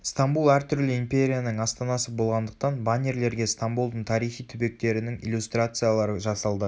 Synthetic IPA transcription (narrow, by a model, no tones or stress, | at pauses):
st̪ambulˠæɾt̪ʰʏɾlɪimpʲe̞ɾʲijanəɴɑst̪ɑnɑsəbo̞lˠʁɑnd̪əqt̪ɑnbanʲeɾle̞ɾɡʲe̞st̪ambulˠd̪əɴt̪ʰɑɾijχijt̪ʰʏbe̞k̚t̪e̞ɾɪnɪŋijlʲˠjust̪rat̪sɨjalˠɑɾəʒɑsɑlˠd̪ə